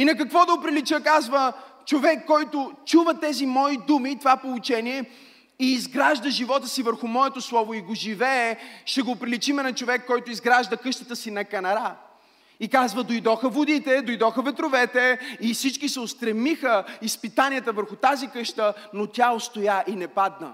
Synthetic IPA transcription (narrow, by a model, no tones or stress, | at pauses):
inɐk̬ɐkvɔd̪ɐopɾilit͡ʃəkazvət͡ʃovɛkːɔjt̪ʊt͡ʃuvət̪ɛzimɔid̪umit̪ovapolˠʊt͡ʃɛniɛ | iːzɡɾaʒd̪əʒivɔt̪əsivəɾxʊmɔɛt̪oslˠɔvʊiɡoʒivɛːʃɛɡopɾilit͡ʃimɛnɐt͡ʃovɛkːɔjt̪ʊizɡɾaʒd̪əkɤʃt̪ə̥t̪əsinɐkɐnɐɾa | ikazvəd̪ojd̪ɔxəvod̪it̪ɛd̪ojd̪ɔxəvɛt̪ɾovɛt̪ɛifsit͡ʃkisɛʊst̪ɾɛmixəispit̪aniət̪əvəɾxʊt̪azikɤʃt̪ənot̪ʲjaost̪ojaʔinɛpad̪nə̰